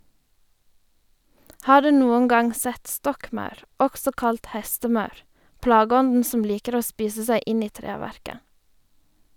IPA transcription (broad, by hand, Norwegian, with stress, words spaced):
ˈhɑː ˈɖʉː ˈnuːən ˈɡɑŋ ˈsɛt ˈstɔkˌmɑʉɾ ˈɔɡsɔ ˈkɑlt ˈhɛstəˌmɑʉɾ ˈplɑːɡəˌɔndn̩ sm̩ ˈliːkəɾ ˈoː ˈspiːsə ˈsæɪ ˈɪn ˈiː ˈtɾeːʋæɾkə